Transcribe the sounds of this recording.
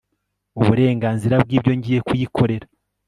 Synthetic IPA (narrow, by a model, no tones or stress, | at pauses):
uβuɾe̞ːŋɡaːnziɾabɡiːbɟo̞ɲɟije̞kujikʰo̞ɾe̞ɾa